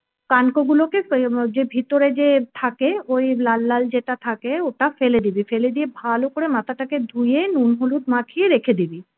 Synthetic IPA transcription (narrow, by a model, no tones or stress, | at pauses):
kankoɡuloked͡ʑebʱit̪oɾed͡ʑet̪ʰakeojlalːald͡ʑeʈat̪ʰakeoʈafeled̪ibifeled̪iebʱalokoɾemat̪ʰaʈaked̪ʱujenunɦolut̪̚makʰieɾekʰed̪ibi